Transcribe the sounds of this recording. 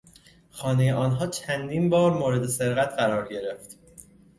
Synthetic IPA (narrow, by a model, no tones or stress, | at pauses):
xɒːnejeʔɒːnɦɒːt͡ʃʰænd̪iːnbɒːɾmoːɾe̞d̪ese̞ɾɣæt̪ʰɢæɾɒːɾɟe̞ɾe̞ft̪